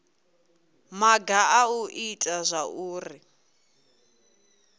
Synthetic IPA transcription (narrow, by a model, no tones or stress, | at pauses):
maɡaauʔitʼazʷaʔuːri